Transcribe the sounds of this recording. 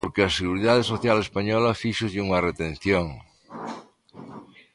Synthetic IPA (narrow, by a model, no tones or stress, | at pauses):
poɾkeaseɣuɾiðaðesoθjalespaɲɔlafiʃozʎuŋɐret̪ẽn̟θjoŋ